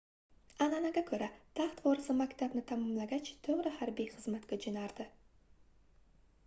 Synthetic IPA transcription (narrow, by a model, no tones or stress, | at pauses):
ananaɡʲakʰɵɾat̪ʰaχt̪vɒɾɪsɪmakʲt̪ʰabnɪt̪ʰamɒmlaɡʲat͡ʃt̪ʰoʁɾɪhaɾbijχɨzmat̪ɡʲad͡ʒɪnaɾd̪̥ɪ